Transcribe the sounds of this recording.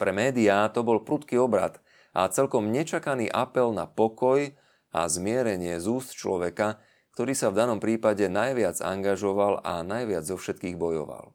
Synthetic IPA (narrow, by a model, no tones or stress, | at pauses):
pɾɛmɛːd̪iat̪ɔbɔlpɾut̪kiːɔbɾa̰t̪ | ʔa̰t͡sɛlkɔmɲɛt͡ʃakaniːʔapɛlna̰pɔkɔj | a̰zmɪɛɾɛɲɪɛzuːst̪̚t͡ʃlɔʋɛka | k̚t̪ɔɾiːsavd̪anɔmpɾiːpaɟɛnajʋɪad͡za̰ŋɡaʒɔʋala̰najʋɪad͡zzɔfʃɛt̪kiːɣbɔjɔ̰ʋa̰l